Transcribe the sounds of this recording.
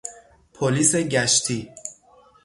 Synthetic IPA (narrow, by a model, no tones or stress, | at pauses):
pʰoliːse̞ɟæʃt̪ʰiː